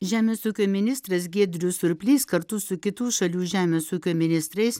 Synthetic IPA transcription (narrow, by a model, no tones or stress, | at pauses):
ʒʲæːmʲeːsuːkʲoːmʲɪnʲɪst̪ɾɐs̬ɡʲeːd̪ʲɾʲʊsʊɾʲpʲlʲiːskɐɾt̪ʊsʊkʲɪt̪uːʃɐlʲuːʒʲæːmʲeːsuːkʲoːmʲɪnʲɪst̪ɾɐɪs